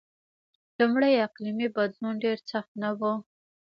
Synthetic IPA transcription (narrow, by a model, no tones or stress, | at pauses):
lumɽəjaqlimibad̪lunɖeɾsaxt̪nawu